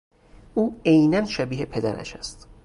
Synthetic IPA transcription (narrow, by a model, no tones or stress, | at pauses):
uːejnænʃæbiːhe̞pʰe̞d̪æ̰ɾæ̰ʃæ̰st̪